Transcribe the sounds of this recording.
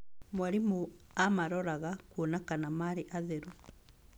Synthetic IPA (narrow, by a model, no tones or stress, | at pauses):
mwaɾimuamaɾɔɾaɣakwonakanamaɾeʔaðeɾu